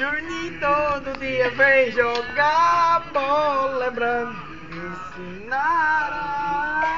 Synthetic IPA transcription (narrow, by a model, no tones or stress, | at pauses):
ʒuɲit̪od̪ud̪iɐvejʒɔɡabɔlɛbɾɐ̃d̪ | ẽsinaɾ